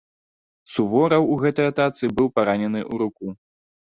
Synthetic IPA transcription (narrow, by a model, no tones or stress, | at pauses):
suvɔɾɐwuɣɛt̪ɐjɐt̪at̪sɨbɨwpaɾanʲɛn̪ɨʔuɾuku